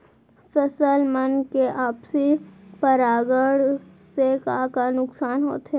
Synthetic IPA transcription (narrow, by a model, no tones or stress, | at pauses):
fəsəlmənkeʔaːpsipəɾaːɡəɽ | sekaːkanʊksaːnɦo̰ːt̪ɦɛː